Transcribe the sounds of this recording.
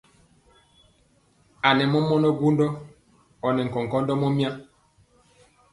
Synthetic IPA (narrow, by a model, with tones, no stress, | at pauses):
a˨nɛ˨mɔ˦mɔ˦nɔ˦ɡu˦ndɔ˦ | ɔ˨nɛ˨ŋ̩˨kɔ˨ŋ˨kɔ˦ndɔ˦mɔ˦mja˦